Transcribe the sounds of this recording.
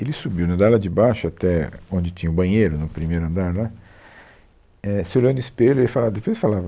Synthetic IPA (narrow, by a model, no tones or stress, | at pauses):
elɪsubiwnɐd̪ɛlɐd͡ʒɪbajʃʊat̪ɛõnd͡ʒɪt͡ʃĩɲɐʊbɐ̃ɲejɾʊnʊpɾimejɾʊɐ̃nd̪aɾla | ɛsɪolownʊispeʎʊelɪfalavɐd̪epojsfalavɐ